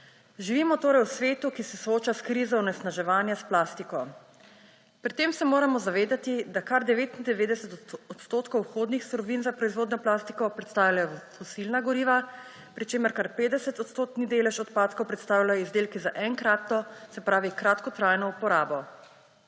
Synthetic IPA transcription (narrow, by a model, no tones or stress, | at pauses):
ʒiʋiːmɔt̪oːɾɛjwsʋeːt̪ukisɛsɔoːt͡ʃaskɾiːzɔwnɛst̪naʒɛʋaːnjasplaːst̪ikɔ | pɾit̪ːeːmsɛmoːɾamɔzaʋeːd̪at̪id̪akaɾd̪ɛʋeːt̪ind̪ɛʋeːd̪ɛsɛt̪ɔt̪st̪oːt̪kɔwxod̪nixst̪ɔɾɔʋinzapɾɔizʋoːd̪nɔplaːst̪i̥kɔpɾɛt̪st̪aːwlajɔfɔsilnaɡɔɾiːʋa | pɾit͡ʃeːməɾkaɾpeːd̪ɛsɛt̪ɔt̪st̪oːt̪nid̪eːlɛʃɔt̪paːt̪kɔwpɾɛt̪st̪aːwlajɔizd̪eːlkizaʔɛŋkɾat̪ːɔsɛpɾaːʋikɾaːt̪kɔt̪ɾajnɔupɔɾaːbɔ